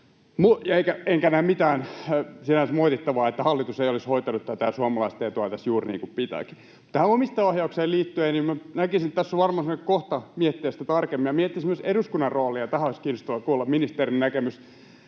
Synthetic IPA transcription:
mujɑeikæeŋkænæːmmit̪æːnsinænsmoit̪it̪ːɑʋɑːet̪ːæhɑlːit̪useijolishoit̪ɑnut̪t̪ːæt̪æsuɑmɑlɑist̪ejɑt̪uɑt̪æsjuːrnḭŋkuppit̪æ̰ki̥ | t̪t̪æhænomist̪eohjɑukseːliːt̪ːyenimmænækisinet̪æsːoʋʋɑrmɑsemnekkoht̪ɑmiet̪ːeːst̪æt̪ɑrkemːijɑmieet̪ːisimyseɾuskunːɑrroːlijɑt̪æhæoiskiːnːost̪ɑʋɑkuːlːɑminist̪erinnækemys

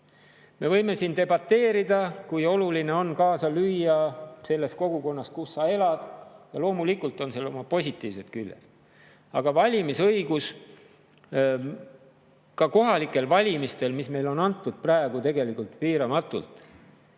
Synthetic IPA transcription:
me̞vɤ̞jme̞siːnt̪e̞bɑt̪ːe̞ːɾid̪̥ɑkujo̞luline̞o̞nkɑːsɑlyjːɑse̞lːe̞sko̞ɡ̥uko̞nːɑskusːɑe̞lɑd̪̥jɑlo̞ːmulikult̪ˑo̞nselo̞mɑpo̞sʲit̪ːˑiːvse̞t̪kylːḛl̥ | ɑɡ̥ɑvɑlʲimisɤjɡus | kɑko̞ɦɑlikːˑe̞lvɑlʲimist̪e̞lmisme̞jlo̞nɑnt̪ˑːud̪̥̚præeɡ̥ut̪e̞ɡe̞likult̪viːɾɑmɑt̪ːˑṵlt̪ˑ

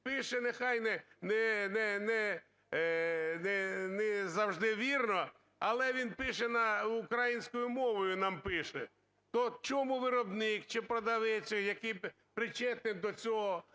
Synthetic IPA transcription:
pɪʃɛnexɑjnɛnɛnɛnɛ | nɛnɛzɐwʒd̪ɪʋʲirnɔ | ɐlˠɛʋʲinpɪʃɛnɐʊkɾɐjinʲsʲkɔjʊmɔʋɔjʊnɑmpɪʃɛ | t̪ɔt͡ʃɔmuʋɪɾɔbnɪkt͡ʃɪpɾɐd̪ɐʋɛt͡sʲɪxjɐkij | pɾɪt͡ʃɛt̪nɪd̪ɔt͡sʲɔɦɔ

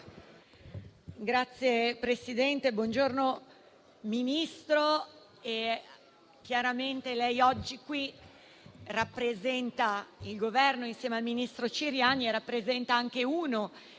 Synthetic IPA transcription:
ɡɾat̪sːjepɾesid̪ɛnt̪ebwɔnd͡ʒorno | minist̪ɾo | e | k̟jaɾament̪elɛjɔd͡ʒːikwi | rapːɾezɛnt̪ailɡovɛrnoinsjɛːmealminist̪ɾot͡ʃiɾjaːnierːapːɾezɛnt̪aaŋk̟euːno

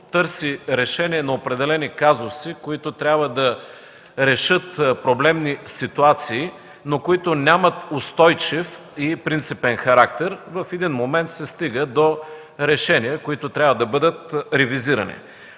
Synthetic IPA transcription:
t̪ɤɾsiɾɛʃɛniɛnɐopɾɛd̪ɛlɛnikazʊsikoit̪ʊt̪ɾʲabvəd̪ɐ | ɾɛʃɤt̪pɾoblɛmnisit̪uat̪siː | nokoit̪onʲamət̪ʊst̪ɔjt͡ʃif | ipɾint̪sipɛnxɐɾak̚t̪ɛɾvɐfɛd̪inmomɛnt̪sɛst̪iɡəd̪o | ɾɛʃɛniəkoit̪ʊt̪ɾʲabvəd̪ɐbɤd̪ət̪ɾɛviziɾɐ̰nḭ

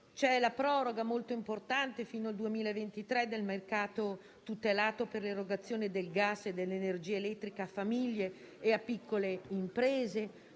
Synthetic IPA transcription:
t͡ʃɛlapɾɔːɾoɡamolt̪oimport̪ant̪efiːnoald̪uemiːlaevent̪it̪ɾɛd̪ːelmerkaːt̪o | t̪ut̪elaːt̪operleroɡat̪sːjoːned̪elɡasːed̪ːelːenerd͡ʒiːeelɛt̪ːɾikaafːamiʎːeː | apːikʰːoleimpɾeːze

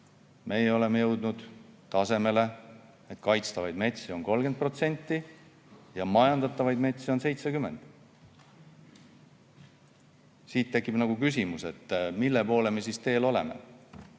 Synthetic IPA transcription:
mʔejeo̞le̞mejɤwd̪nud̪̥t̪ɑse̞me̞le̞ | et̪ˑkɑjt̪st̪ɑvɑjd̪̥me̞t̪ʲsio̞nko̞lɡed̪̚pro̞t̪se̞nʲt̪ːˑi | jɑmɑjɑnd̪ɑt̪ˑːɑvɑjd̪̥me̞t̪ʲsio̞nse̞jt̪sekymːe̞nd̪̥ | siːt̪ːe̞kːˑipnɑɡukys̬ʲimuse̞t̪ːmilːe̞po̞ːle̞mesist̪eːlo̞le̞̰mḛ

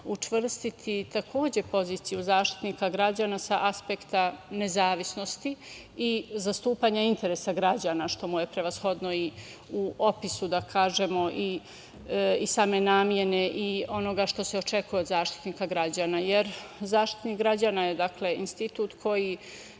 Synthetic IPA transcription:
ut͡ʂʋr̩st̪it̪ʰit̪akʰo̞ːd͡ʑe̞po̞ziːt̪sijuzaːʃt̪i̥t̪niːkaɡɾad͡ʑaːnasaʔaspekt̪ane̞zaːʋisno̞st̪iː | zast̪uːpaːɲaint̪e̞ɾesaɡɾad͡ʑaːnaʃt̪o̞muje̞pɾe̞ʋasxo̞d̪noi | uʔopisud̪akʰaːʒe̞moʔi | isaːme̞naːmje̞ne̞ʔio̞no̞ɡaʃt̪o̞seo̞t͡ʃe̞kujeod̪zaːʃt̪i̥t̪niːkaɡɾad͡ʑaːnajeɾzaːʃt̪i̥t̪niːkɡɾad͡ʑaːnajed̪akle̞inst̪it̪uːt̪kʰo̞ji

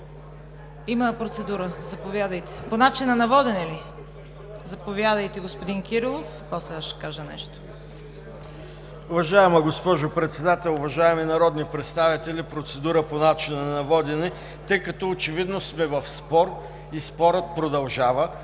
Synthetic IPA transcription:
iməpɾot̪sɛd̪uɾəzɐpovʲjad̪əjt̪ɛ̥ponat͡ʃinɐnɐvɔd̪ɛnɛli | zɐpovjad̪əjt̪ɛɡospod̪inkʲiɾilˠof | pɔslɛaʃt̪ɛ̥kaʒənɛ̰ʃt̪o̥ | ʊvɐʒaɛmɐɡospɔʒopɾɛt̪sɛd̪at̪ɛlˠʊvɐʒaɛminɐɾɔd̪nipɾɛt̪st̪avit̪ɛlʲipɾot̪sɛd̪uɾəponat͡ʃinɐnnɐvɔd̪ɛnɛ | t̪əjkɐt̪ɔot͡ʃɛvid̪nosmɛvɐfspɔɾ | ispɔɾət̪̚pɾod̪ɐlˠʒavə

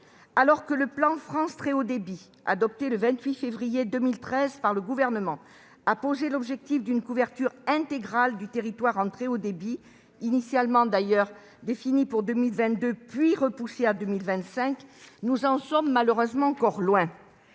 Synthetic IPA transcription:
alɔʁkələplɑ̃fχɑ̃st̪χeod̪ebi | a̰d̪ɔp̚t̪eləvɛ̃t̪ɥifevʁijed̪əmilt̪χɛzpaʁləɡuvɛʁnəmɑ̃ | apozelɔbʒɛk̚t̪ifd̪ynkuvɛʁt̪yʁɛ̃t̪eɡʁald̪yt̪eʁit̪waʁɑ̃t̪χeod̪ebiː | nisjalmɑ̃d̪ajœʁ | d̪efinipuʁd̪ømilvɛ̃t̪̚d̪øpɥiʁəpusead̪ømilvɛ̃t̪sɛ̃knuzɑ̃sɔmːaləʁøzmɑ̃ɑ̃kɔʁlwɛ̃

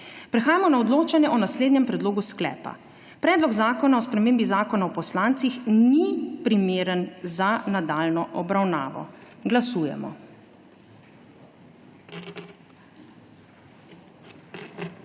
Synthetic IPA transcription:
pɾɛxaːjamɔnaɔd̪loːt͡ʃanjɛʔɔnasleːd̪ɲɛmpɾɛd̪loːɡusklɛ̰ːpa̰ | pɾɛːd̪lɔɡzaːkɔnaɔspɾɛmeːmbizaːkɔnaɔpɔslaːnt̪sixnipɾimeːɾənzanad̪aːlnɔʔɔbɾawna̰ːʋɔ̰ɡlasuːjɛ̰mɔ̰

